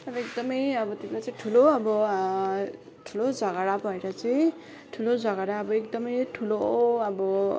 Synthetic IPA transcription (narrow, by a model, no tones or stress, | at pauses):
t̪ʌɾʌek̚d̪ʌmʌjʌbʌt̪iblat͡saĩʈʰuloʌbʌ | ʈʰulod͡zʌɡaɽabʱʌeɾʌt͡sãĩ | ʈʰulod͡zʌɡaɽaʌbʌek̚d̪ʌmʌjʈʰuloʌbʌ